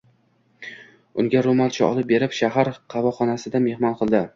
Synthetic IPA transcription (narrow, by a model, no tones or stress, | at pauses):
ʊŋɡʲaɾomalt͡ʃʰaɒ̰lˠɪp̚be̞ɾɪpʃaɦaɾqʰɑvɒχɒnasɪd̪ame̞hmɒnqʰɨlˠd̪ɪ